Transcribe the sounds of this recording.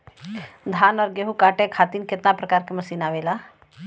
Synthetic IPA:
d̪ʱaːnɔːɾɡeɦukaːʈẽkʰaːt̪iːnkɪt̪napɾəkaːɾkemɐsiːnaʋeːla

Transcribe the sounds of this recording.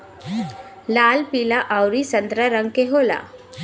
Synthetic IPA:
lalpilaʔawɾisənd̪ɾaɾəŋɡkeɦola̰

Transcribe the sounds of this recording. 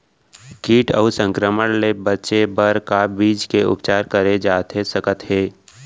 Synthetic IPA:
kiːʈəusə̃ŋkɾəməɽlebətːʃebəɾkabiːd͡ʒkeʊ̰pt͡ʃaːɾkəɾed͡ʒaːt̪ɦesəkət̪ɦeː

